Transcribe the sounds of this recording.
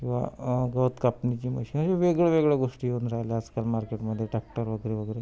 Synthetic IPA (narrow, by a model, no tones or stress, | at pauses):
kĩw̃ʋa̰ɡəwt̪kapnit͡ɕiːmə̰ɕinəɕeʋeɡɭeʋeɡɭaɡoʂʈiːjeunɾaɦjlead͡zkalmaɾkeʈməd̪ʱːjeʈɾak̚ʈəɾʋəɡəɾeʋəɡəɾe